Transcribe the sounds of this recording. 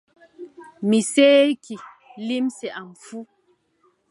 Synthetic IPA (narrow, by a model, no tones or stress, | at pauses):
miseːki | limsɛʔamfu